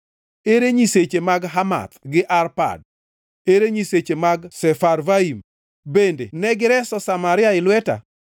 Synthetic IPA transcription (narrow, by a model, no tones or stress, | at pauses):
eɾeɲiset͡ʃemaɡɦama̰t̪ɡɪʔarpa̰d̚ | eɾeɲiset͡ʃemaɡsɛfaɾvaim | bendenɛɡɪɾɛsɔsamaɾɪaɪlwɛta̰